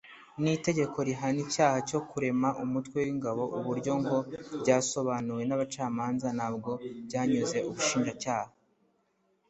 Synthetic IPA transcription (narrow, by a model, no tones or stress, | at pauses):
nite̞ɟe̞kʰo̞ɾiɦanijaːhaco̞kuɾe̞maʔumutwe̞wiŋɡaβo̞ʔuβuɾɟo̞ŋɡo̞bɟaːso̞βaːnuɾwe̞naβat͡ʃaːmaːnzanaːb̚ɡo̞bɟaːɲuze̞uβuʃiːnʒacaːha